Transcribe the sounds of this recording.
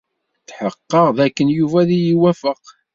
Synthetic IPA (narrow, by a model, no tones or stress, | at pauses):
θħəqːəʁðækːənjuvæðijiwæfəq